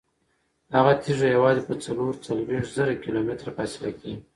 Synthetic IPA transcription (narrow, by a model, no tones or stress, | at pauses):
haɣat̪iʒajawɑzipət͡saloɾt͡salweʂʈzaɾakilomɪt̪ɾafɑsɪlaki